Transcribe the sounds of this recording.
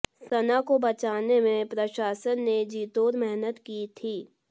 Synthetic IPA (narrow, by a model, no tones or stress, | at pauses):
sɐnakobɐt͡ʃaːnemẽpɾɐʃaːsənːed͡ʒiːt̪oːɾmɛɦnət̪kit̪ʰiː